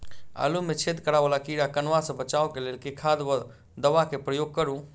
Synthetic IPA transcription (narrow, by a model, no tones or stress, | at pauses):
a̰lumet͡ʃʰed̪kəɾabəlakiɾakənʋasə̃bət͡ʃaokelelkekʰad̪ | d̪əʋakepɾəjoɡ̚kəɾũ